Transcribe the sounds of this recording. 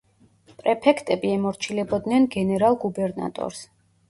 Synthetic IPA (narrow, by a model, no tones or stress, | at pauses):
pʼɾɛpʰɛkʰt̪ʼɛbiɛmɔɾt͡ʃʰilɛbɔd̪nɛnɡɛnɛɾalˠɡubɛɾna̰t̪ʼɔ̰ɾs